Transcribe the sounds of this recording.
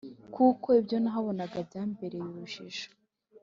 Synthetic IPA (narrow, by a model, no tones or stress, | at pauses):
kuko̞ibjo̞naɦaβo̞naɡabɟaːmbe̞ɾe̞juɾuʃiʒḁ